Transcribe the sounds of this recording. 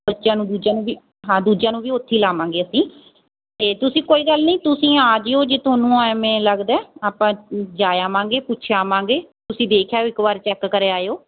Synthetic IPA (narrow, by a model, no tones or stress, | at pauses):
bətːʃjãːnũːd̪uːd͡ʒãːnũːbiː | ɦãːd̪uːd͡ʒãːnũːʋiːot̪ʰːiːlaːmãːŋɡeːəsĩː | t̪eːt̪ʊsĩːkoːiːɡəlniːt̪ʊsĩːaːd͡ʒeːoːd͡ʒeːt̪ʰoːnũːaːmɛ̃ːləɡd̪ɛːaːpãːd͡ʒaːjaːmãːŋɡeːpʊtːʃʰjaːmãːŋɡeːt̪ʊsĩːd̪eːkʰjaːoːɪkbaːɾt͡ʃɛːkːəɾeːaːeoː